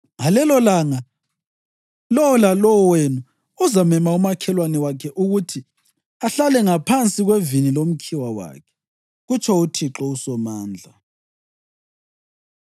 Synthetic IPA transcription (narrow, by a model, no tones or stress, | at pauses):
ŋalɛlɔlaŋa | lɔwɔlalɔɔwenu | ɔzamɛmaumakʰɛlwanɛwakʰɛʔuɣutʰi | aɬalɛŋapʰant͡sʼiɣwevinilom̩kʰiwawa̰kʰɛ̥ | ɣut͡ʃʰʼɔutʰiǁɔusɔmaːnd͡ɮʱa